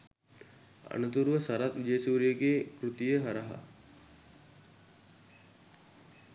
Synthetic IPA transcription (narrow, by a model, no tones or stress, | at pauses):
ɐ̰nɐt̪uɾʋəsɐɾɐt̪d͡ʒeːsuːɾjəɡekɾut̪ijeɦɐɾɐɦɐ̰